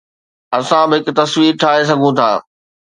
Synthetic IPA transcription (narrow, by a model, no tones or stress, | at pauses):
ɐsãbɪɦɪkʊ̆t̪ɐswiːɾʈʰaːɦes̬ɐɡʱũt̪ʰa̰ː